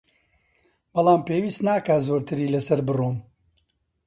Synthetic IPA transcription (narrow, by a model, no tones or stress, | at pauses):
b̥ɑlˠaːmpeːwiːst̪naːkaːzoːɾt̪ʰɨɾiːlɐsɐɾbɨroːn